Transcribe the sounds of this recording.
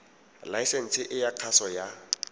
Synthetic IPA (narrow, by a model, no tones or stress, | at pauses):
lajsen̩t͡sʰɪʔɪjaq͡χʰasɔja